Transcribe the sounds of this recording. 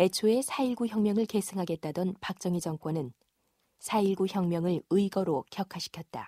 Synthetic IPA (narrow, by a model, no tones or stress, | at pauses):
e̞t͡ɕʰoe̞sʰaiɭɡuçjʌŋmjʌŋɯɭke̞sʰɯŋɦaɡe̞t̚t͈adʌnpak̚t͡ɕ͈ʌŋid͡ʑʌŋk͈wʌnɯn | sʰaiɭɡuçjʌŋmjʌŋɯɭɯiɡʌɾokjʌkʰaɕʰi̥kʰjʌt̚t͈a̰